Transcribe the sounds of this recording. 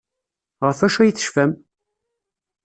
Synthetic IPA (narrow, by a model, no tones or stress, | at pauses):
ʁəfæʃæjəθə̥ʃfæm